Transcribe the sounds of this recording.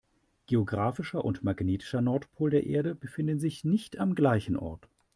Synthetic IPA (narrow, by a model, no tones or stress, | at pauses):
ɡ̥eoɡʁaːfɪʃɐʔʊ̰ntmaɡneːtɪ̥ʃɐnɔɐtpʰoːldeːɐʔḛːɐɾəbəfɪndn̩zɪçnɪçtamɡlaɪçn̩ʔɔ̰ɐt